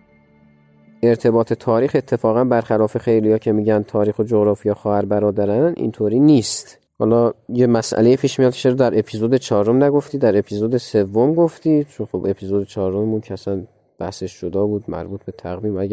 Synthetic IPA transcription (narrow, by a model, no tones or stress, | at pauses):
ʔe̞ɾt̪ʰe̞bɒːt̪ʰe̞t̪ʰɒːɾiːxe̞t̪ʰːe̞fɒːɣænbæɾxælɒːfe̞xe̞jlijɒːcʰe̞miːɟænt̪ʰɒːɾiːxod͡ʒoɣɾɒːfijɑxɒːhæɾbæɾɒːd̪æɾænḭnt̪ʰoːɾiːniːst̪ | hɒ̰ːlɒːjemæsʔæ̰le̞jepʰiːʃmijɒːd̪ʃeɾd̪æɾe̞pʰiːzod̪et͡ʃʰɒːɾomnæɡo̞ft̪iːd̪æɾe̞pʰiːzod̪ese̞vːomɡoft̪iːd̪t͡ʃʰonxobe̞pʰiːzod̪et͡ʃʰɒːɾɾomemuːncʰæsæn | b̥æhseʃʒod̪ɒːbuːd̪mæ̰ɾbuːt̪ʰbe̞t̪ʰæɣviːmææ